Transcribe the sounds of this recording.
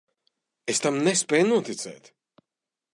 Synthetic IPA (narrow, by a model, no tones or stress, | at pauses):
est̪amnespɛːjnuɔt̪it̪sɛ̰ːt̪